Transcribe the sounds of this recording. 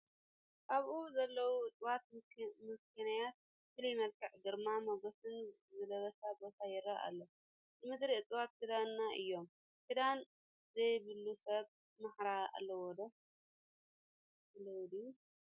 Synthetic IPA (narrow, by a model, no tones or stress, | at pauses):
ʔaβʔuzɐlːɐwuɨt͡sʼwat̪̚mɨskʰɐnajat̪̚ | fɨlijmɐlkʰɨʕd̪ɨɾmamɐɡot̪ɨn | zɨlɐβɐsabo̞t̪ʰajɪɾɐa̰lːo | nɨmɨd̪ɾiɨt͡s̪ʼɨwat̪kɨd̪anːaʔɨ̰jːo̞m | tɨd̪an | zɐjβɨlːusɐβ | maħɾaa̰lːɐwod̪o | sɨlɐwd̪i